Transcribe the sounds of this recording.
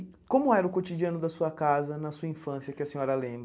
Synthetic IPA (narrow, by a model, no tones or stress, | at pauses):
kõmʊɛɾʊkot͡ʃid͡ʒiɐ̃nʊd̪ɐsuɐkazɐnɐsuɐĩfɐ̃siɐkɪɐsẽɲɔɾɐlẽmbɾɐ